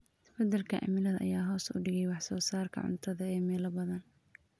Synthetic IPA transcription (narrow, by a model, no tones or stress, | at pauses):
bɛd̪ɛlkʰɐʕa̰mɪlɐðɐʔɐ̰jaːɦɔːsʊ̰ɖɪɣɛjwɑħsɔːsaːrkʰɐ̰ʕʊ̰nt̪ʰɐðɐɛːmɛːlɐbɐðɐn